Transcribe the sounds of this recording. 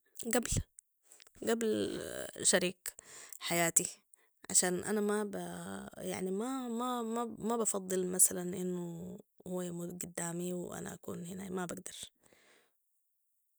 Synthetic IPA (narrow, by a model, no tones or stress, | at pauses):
ɡabl | ɡabl | ʃaɾiːkħajaːt̪i | ʕa̰ʃaːnʔa̰namabaja̰ʕnimamamamabɑfɑd̪ˤːɨlmasalanʔinːuhuːamud̪ɡʊd̪ːaːmiwʔa̰na̰ʔakṵːnhinaːjmabaɡd̪ɑɾˤ